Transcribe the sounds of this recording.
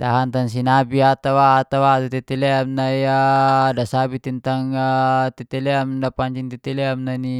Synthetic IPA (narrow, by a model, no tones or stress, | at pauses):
t̪aɦant̪aŋs̬inabiat̪awaːt̪awat̪ut̪ɛt̪ɛlɛamnaiadasabit̪int̪aŋt̪ɛt̪ɛlɛamdapaɲt͡ʃiŋt̪ɛt̪ɛlɛamnani